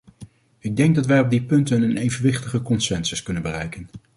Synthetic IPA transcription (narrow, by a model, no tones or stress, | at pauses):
ɪɡ̚dɛŋɡ̚dɑtʋɛjɔb̚dipɵntənənejvənʋɪχtəχəkɔnsɛnsəskɵnənbərɛjkən